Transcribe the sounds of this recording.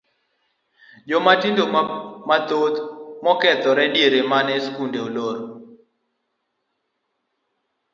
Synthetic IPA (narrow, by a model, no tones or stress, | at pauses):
d͡ʒɔmatindomat̪ot̪mɔkɛt̪ɔɾɛdieɾemanɛskundeoloɾ